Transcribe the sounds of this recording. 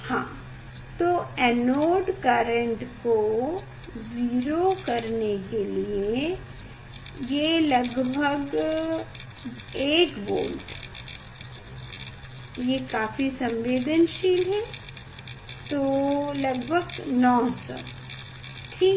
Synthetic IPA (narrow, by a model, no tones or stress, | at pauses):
hã̰ː | t̪oːɛːnoːɖkaːɾə̃ɳʈko | ziːɾokɐɾnekelie | jelɐɡbʱəɡ | eːkbo̰ːlʈ | jekaːfisɐ̃mʋeːd̪ənʃiːlɦɛ | t̪oːlɐɡbʱəɡnɔːsɔ̰ | ʈʰiː